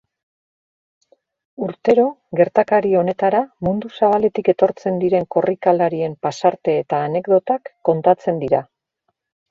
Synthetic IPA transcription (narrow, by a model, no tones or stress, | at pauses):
uɾt̪e̞ɾo̞ɣe̞ɾt̪akaɾio̞ne̞t̪aɾamund̪usaβale̞t̪ike̞t̪o̞ɾt͡se̞nd̪iɾe̞ŋko̞rikalaɾie̞mpasaɾt̪e̞ːt̪aːne̞kd̪o̞t̪akːo̞nt̪at͡se̞nd̪iɾa